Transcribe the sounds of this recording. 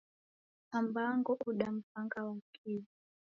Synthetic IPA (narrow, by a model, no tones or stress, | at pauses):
ambaŋɡɔʔuɗam̩paŋɡawakʰili